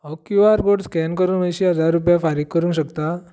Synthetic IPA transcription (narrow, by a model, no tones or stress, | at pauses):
ɔkjuʋaɾɡoɽskɛnkəɾuːnʋəjɕiːɦəd͡zaɾːup̬jafaɾiːk̚kːəɾũːŋɕəkt̪a